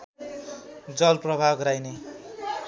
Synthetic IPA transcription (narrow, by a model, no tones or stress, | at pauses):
d͡zʌlprʌbʱaɡɾajne